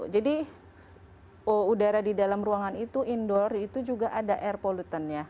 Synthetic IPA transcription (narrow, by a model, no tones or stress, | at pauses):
d͡ʒadi | oudaɾadidalamruaŋanit̪uindɔrit̪ud͡ʒuɡaʔadaʔɛrpolut̪ənja